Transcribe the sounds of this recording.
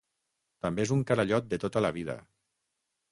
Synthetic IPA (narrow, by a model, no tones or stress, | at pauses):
t̪ambeezuŋkaɾaʎɔt̪̚d̪et̪ot̪alaβ̞iðə̰